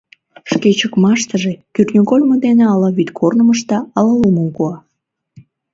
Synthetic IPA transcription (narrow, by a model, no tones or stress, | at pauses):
ʃket͡ɕəkmɑʃt̪əʒekyrnʲokolʲməd̪eneɑlɑβyt̪kʰornəməʃt̪ɑɑlɑluməmkoɑ